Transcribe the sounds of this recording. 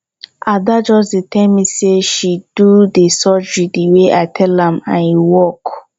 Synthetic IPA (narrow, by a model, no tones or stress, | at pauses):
adad͡ʒɔsdetʰɛlmiseʃid̥udesɔd͡ʒɹidiweʔaɪtʰɛlãmã̰njiwɔk